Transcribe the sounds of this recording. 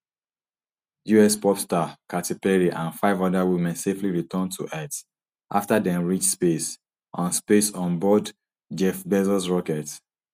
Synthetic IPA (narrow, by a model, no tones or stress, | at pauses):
juɛspɔpstakatipɛɹiʔãnfaɪvɔdawimɛ̃nsefliɹitʰɔ̃ntʰṵʔɛt | ʔaftadɛ̃nɹit͡ʃspes | ʔɔ̃nspesɔ̃nbɔd | d͡ʒɛfbɛzsɹɔkɛt